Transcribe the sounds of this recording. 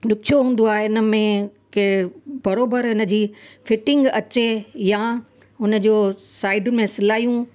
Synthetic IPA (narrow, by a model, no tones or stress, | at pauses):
ɗʊkʰijoɦũːn̆d̪oaːɦeɪnə̆mẽkebɐɾoːbəɾɦɪnə̆d͡ʑiːfɪʈɪ̃ŋɡɐt͡ɕeja | ʊnə̆d͡ʑoːsaːɪɖʊnɪ̆mẽsɪlaːijũ